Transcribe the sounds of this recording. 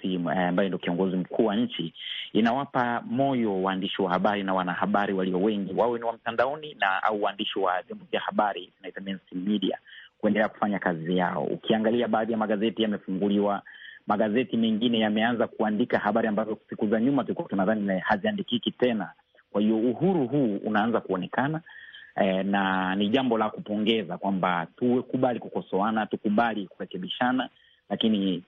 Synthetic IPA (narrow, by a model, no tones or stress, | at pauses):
iambajɔndiɔkiɔŋɡɔzim̩kʰuːwaɲ̩t͡ʃiinawapamɔjɔwaːndiʃiwahaɓaɾinawanahaɓaɾiwaliɔwɛŋɡiwawɛniwam̩tandaɔninaa̰uwaːndiʃiwavjɔmbɔvjahaɓaɾitunaitamɛnsimiɗia̰kuɛndɛlɛaku̥faɲakazija̰ɔ̰ṵkiaŋɡaliaɓaːðijamaɠazɛtijamɛfuŋɡuliwamaɠazɛtimɛŋɡinɛjamɛanzakuandikahaɓaɾiambazɔsikuzaɲumatulikuwatunaðanihaziandikikitɛna | kwahiɔuhuɾuɦuːṵnaanzakuɔnɛkana | naniʄambɔlakupɔŋɡɛzakwambatuwɛkuɓalikukɔsɔanatukuɓalikuɾɛkɛɓiʃana | lakini